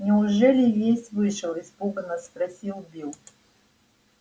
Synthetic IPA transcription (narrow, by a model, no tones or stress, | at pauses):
nʲɪʊʐɛlʲɪvʲesʲtʲvɨʂɨlˠɪzpuɡənəspɾɐsʲilˠbʲilˠ